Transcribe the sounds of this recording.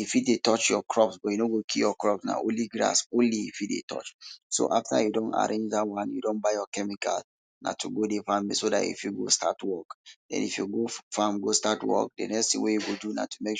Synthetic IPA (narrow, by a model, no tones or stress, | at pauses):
ifitdetɔt͡ʃjɔkʰɹɔpsbɔjunoɡokʰijɔkɹɔpsna̰ʔõliɡɹa̰sõnliifit̚dḛtʰɔ̰t͡ʃso̰ʔaftʰa̰judõna̰ɹẽnd͡ʒdawãnjṵdõnbaɪjɔkɛmika̰l | na̰tʰuɡodefãmisoda̰ḭfjuɡo̰stʰatwɔkdɛ̰̃nḭfjuɡofãmɡostatwɔ̰k̚dḛnɛkstḭ̃ŋwejuɡoduna̰tu̥mek